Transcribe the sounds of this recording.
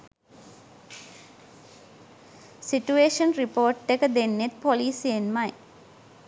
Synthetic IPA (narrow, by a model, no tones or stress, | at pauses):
siʈueːʃənripoːʈːekəd̪enːet̪̚poliːsienmaj